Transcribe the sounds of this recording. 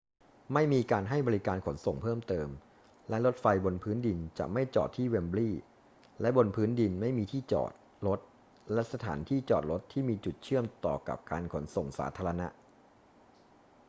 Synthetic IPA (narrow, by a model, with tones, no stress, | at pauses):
ma˥˩jmiː˧kaː˧nɦa˥˩jbɔː˧ɾi˦˥kaː˧nkʰo˩˦nso˨˩ŋpʰɤː˥˩mt̪ɤː˧m | lɛ˦˥lo˦˥t̪̚fa˧jbo˧npʰɯː˦˥ndi˧nt͡ɕa̰˨˩ma˥˩jt͡ɕɔ̰ː˨˩t̪ʰːiː˥˩we˧mbliː˥˩ | lɛ˦˥bo˧npʰɯː˦˥ndi˧nma˥˩jmiː˧t̪ʰiː˥˩t͡ɕɔ̰ː˨˩t̪̚ | lo˦˥t̪̚ | lɛ˦˥sa˧t̪ʰa̰ː˩˦nt̪ʰiː˥˩t͡ɕɔː˨˩t̪̚ɾo˦˥t̪ʰːiː˥˩miː˧t͡ɕu˨˩t̪̚t͡ɕʰɯ˥˩əmt̪ɔ̰ː˨˩ka̰˨˩p̚kaː˧nkʰo˩˦nso˨˩ŋsa̰ː˦t̪ʰaː˧ɾa˧na̰˦˥ʔ